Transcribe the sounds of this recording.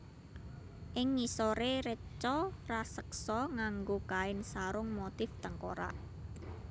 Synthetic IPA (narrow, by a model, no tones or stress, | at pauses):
ʔɪŋːisoɾeɾət͡ʃɔrasəksɔŋaŋɡokaɪnsaɾʊŋmot̪ɪft̪əŋko̰ɾa̰ʔ